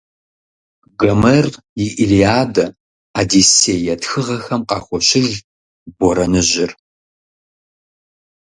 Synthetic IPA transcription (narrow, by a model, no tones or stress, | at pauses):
ɡɐmɐr | jɪʔilijaːdɐ | adiseːjɛtxɨʁɐxɐmqɑ̰ːxʷɔɕɪɮ | bɔɾɐnɨʑɪr